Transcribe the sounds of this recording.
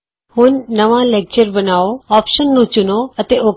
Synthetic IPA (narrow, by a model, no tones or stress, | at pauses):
hʊnːəʋãleːk̚t͡ɕəɾbənaːoɔːpʃənːũt͡ʃʊnoət̪eʔoː